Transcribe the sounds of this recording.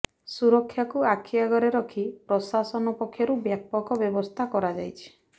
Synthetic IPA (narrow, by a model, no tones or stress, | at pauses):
suɾɔkʰːjakuakʰijaɡɔɾeɾɔkʰipɾɔsasɔnɔpɔkʰːjɔɾubjapɔkɔbjɔbɔst̪ʰakɔɾad͡ʒajt͡ʃʰi̥